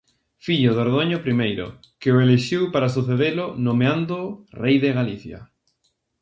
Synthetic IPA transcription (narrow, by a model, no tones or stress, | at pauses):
fiʎʊðoɾð̞oɲopɾimejɾʊ̰ | kɪoeleʃiwpaɾasuθeðelʊnomeand̪orejðeɣaliθja̰